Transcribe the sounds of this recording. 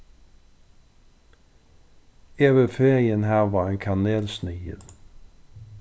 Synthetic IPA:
eːʋəfeːʁɪənhæːʋɑːeːŋkʰɑneːlsnyːəl

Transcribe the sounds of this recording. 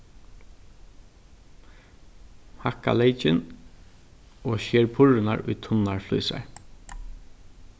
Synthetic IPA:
haka̰leɪt͡ʃɪn | oːʃeːɹpʰʊɹʊnaɹʊ̰jt̪ʰʊnaɹflṵːsa̰ɹ

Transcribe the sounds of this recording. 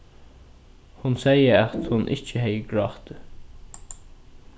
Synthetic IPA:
hʊnsɛjəat̪hʊnʔɪ̰t͡ʃəhɛjəɡɹɑt̪ə

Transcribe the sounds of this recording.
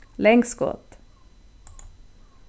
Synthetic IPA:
lɛŋɡskɔ̰t̪

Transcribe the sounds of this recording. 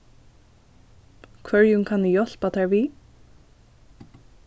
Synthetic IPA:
kʰvœɹjʊŋkʰanɪjɔl̥pat̪ʰɛɹvi

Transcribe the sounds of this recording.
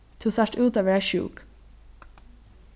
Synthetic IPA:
t̪ʰʉːsæʈʉːt̪oːʋəɹæɪʃʉ̰ːk

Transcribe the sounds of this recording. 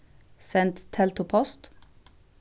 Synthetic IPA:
sɛnt̪t̪ʰɛlt̪ʊpʰɔst̪

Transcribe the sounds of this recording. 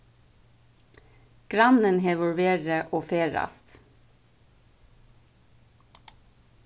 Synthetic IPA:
ɡ̥ɾɑnənhɛʋɔlʋeːɹəʔoːfeːɹɑ̰st̪

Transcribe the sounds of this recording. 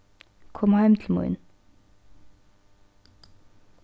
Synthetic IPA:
kʰɔmhæɪmt̪ʰl̩mṵʏ̰n

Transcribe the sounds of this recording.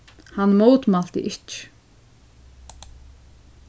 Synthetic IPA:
hanːmoːwt̪mal̥t̪ɪ̰ʔɪhc

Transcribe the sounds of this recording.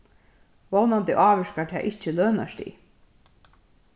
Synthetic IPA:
vɔwnant̪ɪʔɑːʋɛʂkat̪ʰɛ̰ːʔɪht͡ɕəløːna̰ʂt̪ḭ

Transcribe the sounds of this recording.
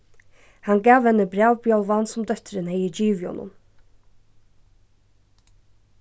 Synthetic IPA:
hɑnɡɑːʋɛnəbɾɑːʋbjɑlˠʋɑnsʊmd̪œt̪ɾənhɛɪəd͡ʒiːʋɪhɔ̰nʔʊ̰m

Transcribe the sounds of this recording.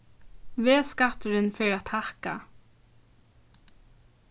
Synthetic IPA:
ʋeːskɑt̪əɹənfœɾɑt̪ʰhɑkɑ̰

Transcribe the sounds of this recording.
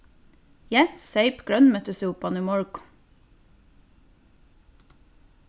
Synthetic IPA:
jɛnsœɪpɡ̥ɹœnmœt̪əsuːpɑniːmɔɹɡʊ̥

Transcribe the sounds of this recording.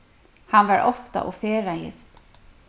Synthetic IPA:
hɑnʋɑɹʔɔft̪a̰ʔɔfeːɹajɪ̰st̪

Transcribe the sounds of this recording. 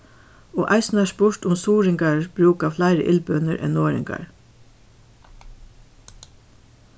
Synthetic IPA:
ɔːʔaɪsnɛspʊɹ̥t̪ʊmsuːɾɪŋkaɹb̥ɹuːkaflaɪɾə̰ʔɪlpœnəɾʔɛ̰nːɔːɹɪ̰ŋka̰ɹ

